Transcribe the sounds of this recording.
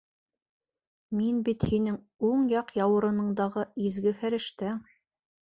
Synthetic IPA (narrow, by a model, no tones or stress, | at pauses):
minbit̪hinɘŋ | uɴjɑqjɑwɤ̆ɾɤ̆nɤ̆ɴd̪ɑʁɤizɡɘfæɾɘ̆ʃt̪æŋ